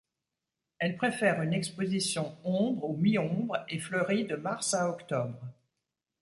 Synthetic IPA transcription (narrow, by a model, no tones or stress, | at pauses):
ɛlpχefɛʁynɛkspozisjɔ̃ɔ̃bʁomiɔ̃bʁeflœʁid̪əmaʁsaɔkt̪ɔbʁ